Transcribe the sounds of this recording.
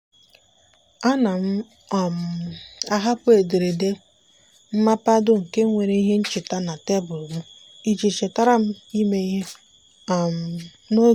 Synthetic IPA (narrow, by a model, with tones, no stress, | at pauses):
a˦na˨m̩˦˨ | m˨a˦ɦa˦pʊ˦e˨de˨ɾe˨de˦ | m̩˦ma˦pa˦dʊ˦ŋ̩˨ke˦ŋʷe˨ɾe˦i˦ɦe˦n̩˦t͡ʃɪ˨ta˦na˨te˦bʊ˨lmu˦ | i˦d͡ʒi˨t͡ʃe˨ta˦ɾa˦m̩˦i˦me˦i˦ɦe˦˨ | m˨ | no˦